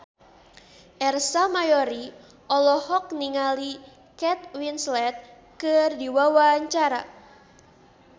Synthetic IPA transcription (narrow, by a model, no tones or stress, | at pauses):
ʔɛrsamajɔɾi | ʔɔlɔhɔk̚niŋali | kɛt̪̚winslɛt̪̚ | kɨrdiwawaɲt͡ʃaɾa